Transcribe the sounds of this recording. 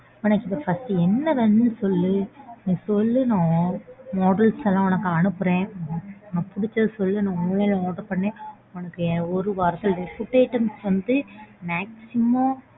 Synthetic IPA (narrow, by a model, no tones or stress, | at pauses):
ʊnɐkːɪp̪ɐfɐsʈɯɛnːɐʋɐnd̪ɯnsɔlːɯnĩːsɔlːɯnãːmɔːɽɐlsɛlːãːɔnɐkːɯɐnɯpːɯɾẽːɔnɐpʊɽɪt͡ʃːɐðɯsɔlːɯnãːɔlelɐ̃oːʈɐɾpɐɳːẽː | ɔnɐkːɯɔɾɯʋɐɾt̪ːɐlɾɛpʊʈːeːʈːɐmsʋɐnd̪ɯmaːksɪmõː